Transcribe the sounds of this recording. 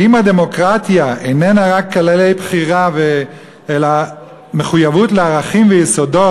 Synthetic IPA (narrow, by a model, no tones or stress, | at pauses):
imhad̪e̞mo̞kʁat̪jaʔenenaʁakːalelejbχiʁave | ela | me̞χujavutleaʁaχimvejeso̞do̞